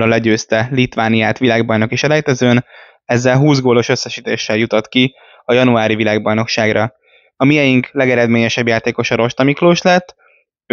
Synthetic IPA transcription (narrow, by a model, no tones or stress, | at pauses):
ɒlɛɟøːst̪ɛlit̪ʋaːnijaːt̪ʋilaːɡbɒjno̞kiʃɛlɛjt̪ɛzøːn | ɛzːɛlɦuːzɡoːlo̞ʃø̞sːɛʃiːt̪ḛːʃːɛljut̪ot̪ki | ɒjɒnuaːɾivilaːɡbɒjno̞kʃaːɡrɒ | ɒmiɛjiŋklɛɡɛɾɛd̪meːɲɛʃɛbjaːt̪eːko̞ʃɒɾo̞ʃt̪ɒmikloːʃlɛt̪ː